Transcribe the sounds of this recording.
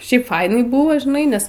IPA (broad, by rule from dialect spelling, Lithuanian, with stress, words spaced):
ˈʃʲɛɪp ˈfɐɪnɐɪ ˈbʊʋoː ʒʲɪˈnɐɪ ˈnʲɛs